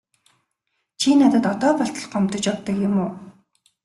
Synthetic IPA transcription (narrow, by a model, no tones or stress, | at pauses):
t͡ɕʰiːnat̪ə̆t̪ɔt̪ɔːpɔɬt̪ɞ̆ɮɢɔm̥t̪ɞ̆t͡ɕɔt̪ːə̆kjʊmʊː